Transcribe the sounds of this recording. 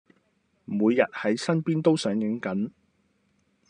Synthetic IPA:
muː˨˧jːɐ˨t̚hɐ˨˥jsɐ˥npiː˥nt̪o˥wsœː˨˥ŋjɪ˨˥ŋkɐ˨˥n

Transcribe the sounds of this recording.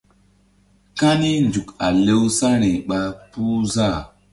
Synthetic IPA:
ka˦ni˦nd͡ʒu˨ka˨le˦wsa˦ɾi˨ɓa˦pu˦za˦˨

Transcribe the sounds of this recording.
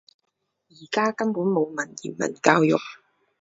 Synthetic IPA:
jiː˨˩kaː˥kɐ˥mpuː˨˥nmo˨˧wmɐ˨˩njḭ˨˩nmɐ̰˨˩nkaː˧wjʊ̰˨k̚

